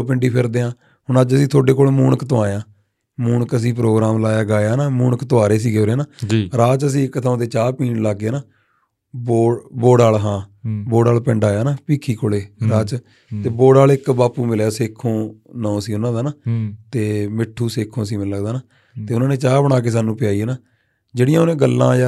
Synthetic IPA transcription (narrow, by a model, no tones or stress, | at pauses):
opɪɳɖiːpʰɪɾd̪eːãː | ɦʊɳəd͡ʒəsĩːt̪ʰoːɖeːkoːleːmuːɳəkt̪oãːjãː | muːɳkəs̬ĩːpɾoːɡɾaːmlaːjaːɡaːjaːnaːmuːɳəkt̪oaːɾeːs̬iːɡeːoːɾeːnaːd͡ʒiɾaːt͡ʃəs̬ĩːɪkːt̪ʰaõt̪eːt͡ʃaːpiːnlaːɡeːnaː | boːboːɖaːlɦãːboːɽaːlpɛ̃ɳɖaːjaːnaːpiːkʰiːkʰʊɽeːɾaːt͡ʃ | t̪eːboːɽaːlɪkbaːpuːmɪljaːseːkʰːõːnɔõːsĩːʊnãːd̪aːnaːt̪eːmɪʈʰːuːseːkʰːõːsĩːmɪlːəɡd̪aːnaː | t̪eːʊnãːneːt͡ʃaːbəɽ̃aːk̬eːs̬aːnːũːpɪjaːieːnaː | d͡ʒeːɽɪjãːoːnẽːɡəlːã̰ːd͡ʒaː